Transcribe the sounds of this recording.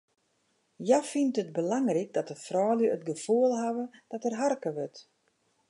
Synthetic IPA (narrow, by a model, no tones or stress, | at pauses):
jafintət̚bəlaŋrik̚dɔtəfrɔːljəːtɡəfuəlˠɦaʋəd̥ɔtərɦarkəʋøt